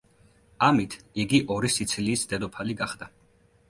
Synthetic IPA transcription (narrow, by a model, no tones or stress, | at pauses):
amit̪ʰiɡiʔɔɾisit̪sʰliːsd̪ɛd̪ɔpʰaliɡaχd̪a